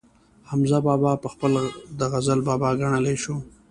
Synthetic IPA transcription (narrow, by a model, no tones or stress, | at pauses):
hamzabɑbɑpəxpəld̪əɣazalbɑbɑɡaɳəleʃo